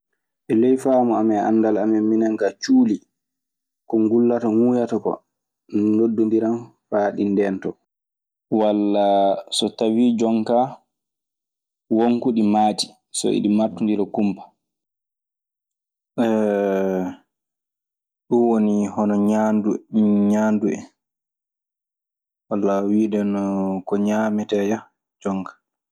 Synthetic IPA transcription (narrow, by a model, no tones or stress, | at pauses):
ʔɛlɛjfaːmɔamɛʔa̰ndalamɛminaŋɡat͡ʃuːli | kɔŋɡulːatɔŋuːjatɔkɔ̰ | nodːundiɾan | faɗindɛntɔ | walːasɔtawid͡ʒɔŋka | woŋkuɗimaːti̥ | sɔ̰ḭɗimaɾtundiɾɛkumpḁ | ɛ | ɗunwonihɔnɔɲanduɲaːnduɛ | walːawiːdɛnɔkɔɲaːmɛtɛja | d͡ʒɔŋkḁ